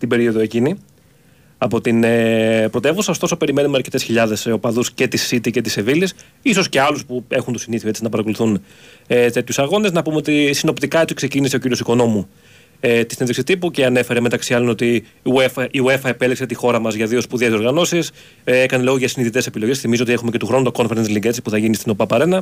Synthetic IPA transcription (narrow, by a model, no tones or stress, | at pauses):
st̪ibe̞ɾio̞ðoe̞cini | ɐpo̞t̪inpɾo̞t̪e̞vusɐost̪o̞sope̞ɾime̞numeɐɾce̞t̪e̞sçiʎɐðe̞sopɐðusce̞t̪isit̪ice̞t̪isevilis | iso̞sce̞ɐluspue̞xunt̪osiniθioet͡sinɐpɐɾɐko̞luθun | et̪e̞t̪çusɐɣo̞neznɐpumeo̞t̪isino̞pt̪ikɐet͡sikse̞cinise̞o̞ciɾio̞siko̞no̞mu | et̪isinðeksit̪ipuceɐne̞fe̞ɾemet̪ɐksiɐlo̞no̞t̪i | uefiuefɐepe̞likse̞t̪ixo̞ɾɐmɐzʝɐðio̞spuðiɐzio̞ɾɣɐno̞sis | ekɐnelo̞ɣoʝɐsiniðit̪e̞se̞pilo̞ʝesθimizoot̪ie̞xumecet̪uxɾo̞nut̪oko̞nfeɾensliŋɡesispuθɐʝinist̪ino̞pɐpɐɾe̞nɐ